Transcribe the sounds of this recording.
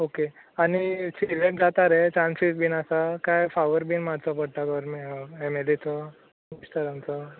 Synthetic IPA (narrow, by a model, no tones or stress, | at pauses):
okeanisileʈ̚d͡zat̪aɾɛt͡ɕãnsisbinasakajfaʋəɾbinmaɽt͡sɔpəɽʈ̪aɡɔɾmiemelit͡sɔ | misʈ̪əɾamt͡sɔ